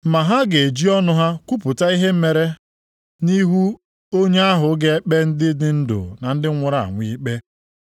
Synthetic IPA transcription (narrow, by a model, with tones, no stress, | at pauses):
ma˨ɦa˦ɡe˨e˨d͡ʒi˦ɔ˦nʊ˦ɦa˦kʷu˦pʊ˨ta˦i˦ɦe˦m̩˦me˨ɾe˦ | ni˦ɦu˦ | o˦ɲe˦a˦ɦʊ˨˦ɡe˦e˦k͡pe˦n̩˦dɪ˦dɪ˦n̩˦dʊ̰˨na˨n̩˦dɪ˦ŋʷʊ˨ɾa˨a̰˨ŋʷi˦k͡pe˦